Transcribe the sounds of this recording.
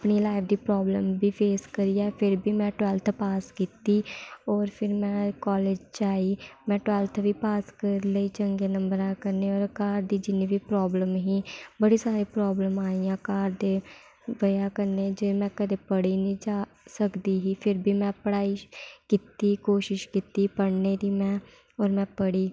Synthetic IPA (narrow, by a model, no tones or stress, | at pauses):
pɳiːlaːɪpʰd̪iːpɾɔːbləmbiːpʰeːskəɾiːjɛːpʰɪɾbiːmɛ̃ːʈʋɛːlt̪ʰpaːskiːt̪iːɔːɾpʰɪɾmɛ̃ːkɔːleːd͡ʒt͡ʃaːiːmɛ̃ːʈʋɛːlt̪ʰʋiːpaːskəɾləiːt͡ʃəŋɡeːnəmbəɾãːkəɾneːɔːɾkaːɾd̪iːd͡ʒɪnːiːʋiːpɾɔːbləmɦiːbəɽisaːɾipɾɔːbləmaːijãkaːɾd̪e | ʋəjãːkəɾned͡ʒemɛ̃ːkəd̪epəɽinĩd͡ʒaː | səkd̪iɦiːpʰɪɾbʱiːmɛ̃ːpəɽaːikɪt̪ikoːʃɪʃkit̪ipəɽned̪imɛ̃ː | ɔːɾmɛ̃ːpəɽiː